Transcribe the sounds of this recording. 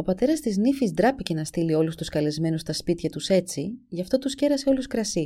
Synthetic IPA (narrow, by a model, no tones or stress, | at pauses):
o̞pɐt̪e̞ɾɐst̪iznifizd̪ɾɐpice̞nɐst̪ilio̞lust̪uskɐle̞zme̞nust̪ɐspit̪çɐt̪use̞t͡siʝɐft̪o̞t̪usce̞ɾɐse̞o̞luskɾɐsi